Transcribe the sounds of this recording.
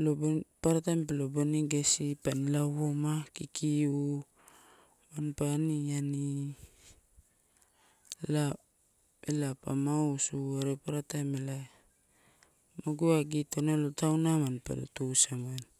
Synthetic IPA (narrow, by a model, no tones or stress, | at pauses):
lobpaɾatajmpeloboniɡesipanilawomakikiu | manpaːniani | la | elapamausuaɾepaɾatajmela | maɡuaɡitonalotawnamanpa̰lo̰tusamen